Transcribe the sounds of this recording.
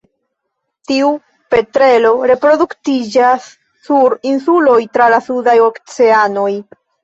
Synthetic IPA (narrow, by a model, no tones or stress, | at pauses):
tiu | pe̞tɾe̞lo̞ɾe̞pɾo̞duktid͡ʒasː | uɾinsulo̞jtɾalasudajo̞kt͡se̞ano̞j